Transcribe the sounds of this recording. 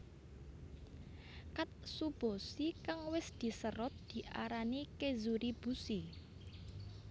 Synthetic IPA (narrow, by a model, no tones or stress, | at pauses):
kat̪̚sub̥osikaŋwɪsd̪̥i̤səɾɔt̪̚d̪̥i̤ʔa̰ɾanikezuɾib̥ṳsi